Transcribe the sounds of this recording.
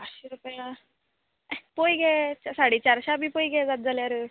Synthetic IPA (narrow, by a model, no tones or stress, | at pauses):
aɕiɾupja | pojɡɛt͡ɕsaɽit͡ɕaɾɕabʱipojɡɛd͡zat̪̚d͡zaljaɾe